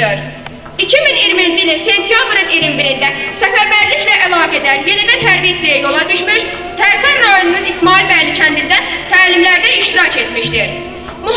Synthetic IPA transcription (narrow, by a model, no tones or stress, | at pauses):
ɯɾ | icʰiminiɾmind͡ʒilinse̞nt̪ʰijabɾɯniɾimbiɾind̪æsæfæɾbæɾliclæʔælˠɑːɡɛed̪æɾje̞nid̪æt̪ʰæɾbihsijajo̞lˠɑd̪ɯʃmɯʃ | t̪ʰæɾfænɾajonununismɑːilbæjlicʰænd̪ind̪æt̪ʰæːlimlæɾd̪æiʃt̪iɾɑcʰe̞t̪miʃt̪iɾ | mu